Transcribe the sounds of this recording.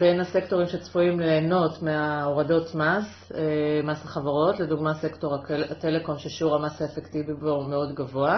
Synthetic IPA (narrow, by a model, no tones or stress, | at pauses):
be̞nase̞kto̞ʁimʃet͡sfuimleːno̞tmeaoʁado̞tmas | emasaχavaʁo̞tle̞duɡmase̞kto̞ʁaate̞le̞ko̞nʃeʃuʁamasaefektivibomeo̞dɡavoa